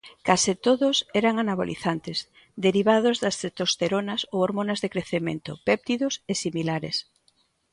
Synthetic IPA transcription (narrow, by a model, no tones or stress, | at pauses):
kasit̪oðʊsɛɾaŋanaβo̰lḭθant̪es | d̪eɾiβ̞að̞ozðɐsθet̪ost̪eɾonasowoɾmonazðekɾeθemḛ̃nt̪o̰pɛp̚t̪iðosesimilaɾḛs